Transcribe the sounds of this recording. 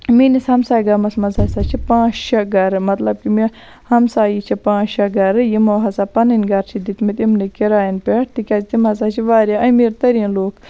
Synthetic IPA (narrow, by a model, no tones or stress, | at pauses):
minishɐmsaːjɡɐmɐsmɐzasat͡ʃʰipãːt͡ʃʃɐɡɐɾmɐt̪lɐb̚kimi | hɐmsaːjit͡ʃʰipãːt͡ʃʃɐɡɐɾɨjimoːɦɐsaːpɐnɐnʲɡɐɾt͡ʃʰid̪it̪mit̪imnikiɾaːjinpeʈ̚t̪ikʲɐzt̪imɐzaːt͡ʃʰiʋaːɾjaːʔɐjmiːɾt̪ɐɾinloːk